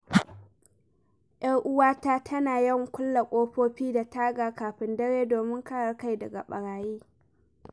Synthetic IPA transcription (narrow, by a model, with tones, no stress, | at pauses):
jʔɐ˦ŋʔʊ˦waː˦taː˦tʰɐ˦naː˨jɪ˦˨ŋkʷʊ˦lːa˨kʷʼoː˦ɸoː˦ɸiː˦da˨taː˦ɡaː˨kaː˨ɸɪ˦ndɐ˦ɽeː˦doː˨mɪ˦ŋkɐ˦ɽɐ˨rka˦˨jdɐ˨ɡa̰˨ɓɐ˨ɽaː˨jiː˦